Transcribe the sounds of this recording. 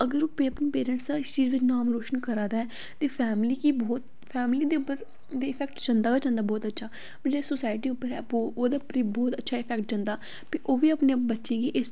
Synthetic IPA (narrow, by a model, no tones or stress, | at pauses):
əɡəɾoːpeːəpniːpeːɾə̃ɳʈsd̪ãːɪst͡ʃiːzʋɪt͡ʃnaːmɾoːʃənkəɾaːd̪aːɛː | t̪eːpʰɛːmliːkiːbɔːt̪ | pʰɛːmliːd̪eːʊpːəɾ | d̪eːɪpʰɛːk̚ʈd͡ʒãnd̪aːɡːd͡ʒãːnd̪aːbɔːt̪ətːʃʰaː | d͡ʒeːsosaːɪʈiːʊpːəɾɦɛ̰ːooːd̪aːpɾibɔːt̪ətːʃʰaːɪpʰɛːkʈ̚d͡ʒãːnd̪aː | piʔoːʋiːəpnẽbətːʃẽːkiːʔɪs